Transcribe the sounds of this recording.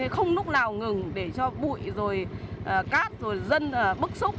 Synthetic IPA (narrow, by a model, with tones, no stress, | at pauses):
xə˧wŋ͡mlʊ˦˥k͡p̚naː˨˩wŋɨ˨˩ŋɗe˧˩t͡ɕɔ˧ɓṵ˧˨jzo˨˩jʔːkaː˦˥t̚zo˨˩jzə˧nː˨˩ɓɨ˦˥k̚sʊ˦˥k͡p̚